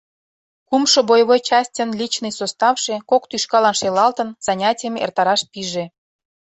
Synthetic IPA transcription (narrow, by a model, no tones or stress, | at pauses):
kumʃŏbojβojt͡ɕɑsʲtʲənlʲit͡ɕnɨjsost̪ɑfʃĕkokt̪yʃkɑlɑnʃelɑlt̪ə̆nz̥ɑnʲɑtʲijəmḛrt̪ɑɾɑʃpiʒe